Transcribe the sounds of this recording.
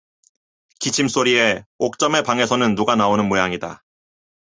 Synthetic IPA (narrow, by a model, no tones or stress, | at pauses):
kit͡ɕʰims͈oɾie̞ok̚t͡ɕ͈ʌme̞paŋe̞sʰʌnɯnːuɡanaonɯnmojaŋida̰